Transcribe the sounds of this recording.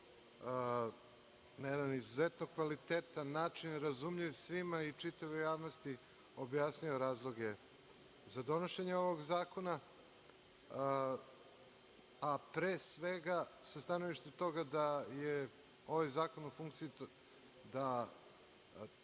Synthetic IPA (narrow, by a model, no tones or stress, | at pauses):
najed̪anizuzet̪noɡkʋalit̪eːt̪anːaːt͡ʂinɾazumʎiʋsʋimait͡ʂit̪aʋejaːʋnost̪i | o̞bjasnio̞ɾaːzlˠo̞ɡe | zad̪o̞noʃeɲeo̞ʋoɡzaːko̞na | apɾeːsʋeɡasast̪ano̞ʋiʃt̪emt̪o̞ɡad̪aje | o̞ʋajzaːko̞nufuŋk̚t̪si | d̪a